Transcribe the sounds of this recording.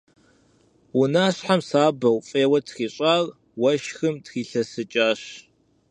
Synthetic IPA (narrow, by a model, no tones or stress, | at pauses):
wʊnaːɕħamsaːbɐwfʼeːwɐtʰxiːɕʼaːr | wɐʃxɨmtxiːɬɐsɨt͡ʃʼaːɕ